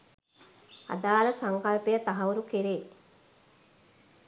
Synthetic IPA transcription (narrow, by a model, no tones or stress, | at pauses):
a̰d̪aːləsaŋkalpejət̪aɦɐuɾukeɾeː